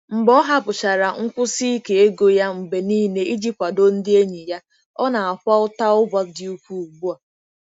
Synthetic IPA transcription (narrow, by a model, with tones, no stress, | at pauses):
m̩˨bɔ˦ɦa˦pʊ˨t͡ʃa˨ɾa˨ŋ̩˦kʷʊ˦si˦i˦ke˨e˦ɡo˦ja˦ŋ͡m̩˨ɡ͡be˨niː˦ne˦i˦d͡ʒi˦ppʷa˨do˦n̩˦dɪ˦e˦ɲi˨ja˦ | ɔ˦na˨a˨kʷa˦ʊ˦ta˦ʊ˦ba˨dɪ˨u˦kʷu˦u˨ɡ͡bu˦a˨